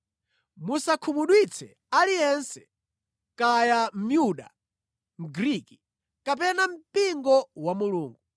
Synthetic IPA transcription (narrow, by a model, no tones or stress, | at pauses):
musakʰumuɗwit͡sʰɛ | alijɛnsɛ | kajam̩mjuɗa̰ | m̩ɡɾiki | kap̬ɛnam̩piŋɡɔwamuluːŋɡu